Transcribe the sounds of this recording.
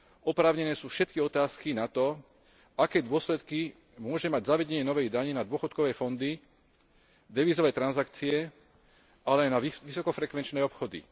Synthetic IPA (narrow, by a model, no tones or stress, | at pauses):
ɔpɾaːʊɲɛnɛːsuːfʃɛt̪̚kiɔt̪aːskinat̪ɔ | ʔakɛːd̪ʊɔslɛt̪ki | mʊɔʒɛmaɟzaʋɛɟɛɲɪɛnɔʋɛjd̪aɲinad̪ʊɔxɔt̪̚kɔʋɛːfɔnd̪i | d̪ɛʋiːzɔʋɛːt̪ɾanzakt͡siɛ | ʔalɛajnaiʋisɔkɔfɾɛkʋɛnt͡ʃnɛːɔpxɔd̪ḭ